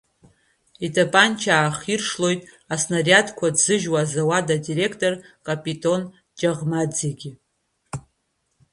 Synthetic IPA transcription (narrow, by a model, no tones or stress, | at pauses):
itʰʼapʼant͡ʃʰaːχirʂlo̞jtʼ | asnaratʰʼkʷʰadzɨʒwaːzawadadiɾe̞kʰtʼo̞rkʼapʼitʼo̞n | d͡ʒaʁmad͡zeɡʲi